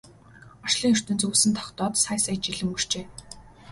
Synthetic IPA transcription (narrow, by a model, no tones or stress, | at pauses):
ɔʃɮiːŋɵr̥t̪ɵ̆nt͡suːsɘ̆nt̪ʰɔ̥χt̪ɔːt̪sajsæjt͡ɕiɮɘ̆mur̥t͡ɕeː